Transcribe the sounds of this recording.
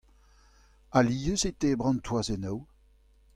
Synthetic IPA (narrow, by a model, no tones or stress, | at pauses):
aliːjøset̪ebʁɑ̃nt̪wazenɔw